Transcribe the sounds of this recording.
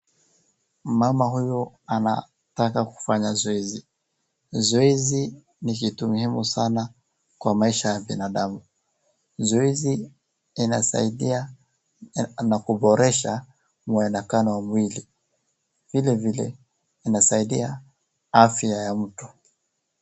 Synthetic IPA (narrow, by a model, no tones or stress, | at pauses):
mamaɦujɔ | ana̰ | takaku̥faɲazɔɛzi | zɔɛzi | nikitumuhimusana | kwamaiʃajaɓinaɗamu | zɔɛziː | nasa̰iɗia | nakuɓɔɾɛʃa | muɛnakanɔwamwili | vilɛvilɛ̰ | inasaiɗia | afiajam̩tu̥